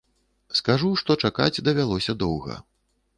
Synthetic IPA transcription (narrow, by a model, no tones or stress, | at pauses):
skaʐuʂt̪ɔt͡ʂaka̰d͡zʲd̪ɐvʲalˠɔsʲɐd̪ɔwɣɐ̰